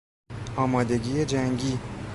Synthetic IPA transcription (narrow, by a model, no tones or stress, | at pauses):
ɒːmɒːd̪e̞ɟiːjed͡ʒæŋɟiː